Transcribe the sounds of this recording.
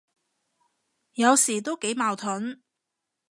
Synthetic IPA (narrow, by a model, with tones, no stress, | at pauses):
jɐ˨˧wsiː˨˩t̪o˥wke˨˥jmaː˨˧wt̪ʰʊ˨˥n